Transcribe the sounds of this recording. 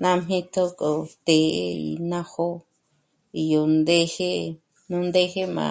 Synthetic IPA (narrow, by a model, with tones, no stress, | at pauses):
nã˦m̥ĩ˦t̪ʰo˦ko˨t̪e˨ḛ˦ḭ˨nã˦ho˦ | i˧jo˨nd̪e˦he˦ | nũ˦nd̪e˦he˦mã̰˨